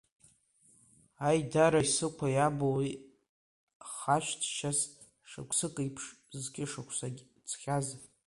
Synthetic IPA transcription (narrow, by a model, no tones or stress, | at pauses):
ajdaɾajsɨkʷʰajabowi | χaʃʷtʰʃas | ʂa̰kʷʰʼsɨkʼɨjpʰʂ | zɡʲɪʂakʷʰsaɡʲ | t͡sʰχʲaz